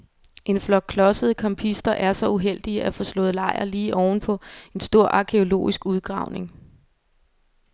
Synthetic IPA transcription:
ʔe̝nflɒ̽ɡ̥̚kʰːlɒ̽səð̞̩ˠkʰɒmpʰisd̥ɐʔæɐsɒ̽uɦel̰d̥iəʔæfɒ̽slɔ̰̽ːð̩ˠlɑ̈ɪ̰ɐ̰liːʔɒʊn̩pʰɒ̽e̝nsd̥o̝ɐ̰ʔɑ̈kʰe̝o̝lo̝̰ːisɡ̥uð̞ˠɡ̥ʁɑ̰̈ʊne̝ŋ

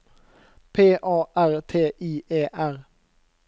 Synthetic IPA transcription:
pʰeːʔɑːʔæʁt̪ʰeːʔiːʔeːʔæʁ

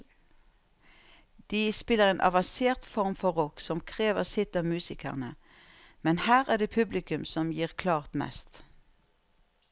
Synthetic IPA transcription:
d̪̥iːspɪləʁeːnʔɑ̰ʋɑnseːʁt̪fɔʁmfɔʁɔksɔmkʰʁeːʋəʁsɪt̪ɑːmʉːsɪkə̰ʁnə | mɛnhæːʁæːd̪eːpʰʉblɪkʉmsɔmjiːʁkʰlɑːʁt̪mɛ̰st̪

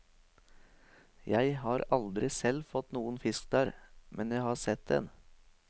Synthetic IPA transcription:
jæɪhɑːɾɑld̪ɾɪsɛlfɔt̪nuːənfɪskd̪æːɾmʔɛnjæɪhɑːsɛt̪̚d̪ɛ̰n

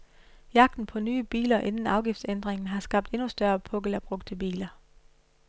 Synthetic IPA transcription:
jɑ̈ɡ̥̚d̥n̩pʰɒ̽nyːb̥ḭːlɐʔe̝nn̩ɑ̈ʊɡ̥ifd̥send̥ʁeŋn̩ɦɑ̈sɡ̥ɑ̈b̥̚d̥e̝nusd̥ɶɐpʰɔ̽ɡ̥əlæb̥ʁɔɡ̥̚d̥ʰeb̥ḭːlɐ

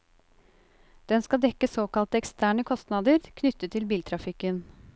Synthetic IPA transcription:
d̪̥ɛnskɑd̪ɛkəsoːkɑlt̪əɛkst̪ʰæːɳəkʰɔst̪nɑːd̪əɾkʰnʏt̪ːət̪ʰːɪlbiːlt̪ʰɾɑfɪkən

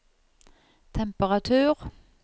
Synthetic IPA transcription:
t̪ʰɛmpəʁɑt̪ʰʉːʁ

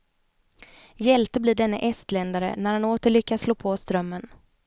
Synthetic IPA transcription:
jɛlt̪əbliːɖɛnːə̰ʔɛst̪lɛnd̪aɾə̰næɾhanoːt̪əɭʏkːasloːpʰɔst̪ɾœmːən

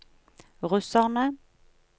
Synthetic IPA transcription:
ʁʉsɑʁnə

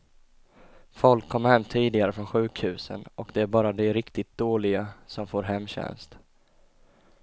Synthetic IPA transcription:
fɔlkʰːɔmːhɛmːt̪ʰiːd̪ɪɡaɾəfɾɔnɧʉ̟ːkhʉ̟ːsə̰nʔɔkd̪ɛæɾbɑːɾad̪ɛɾɪkt̪ɪt̪̚d̪̥oːlɪɡasɔmfoːɾɦɛmːɕɛ̰nst̪

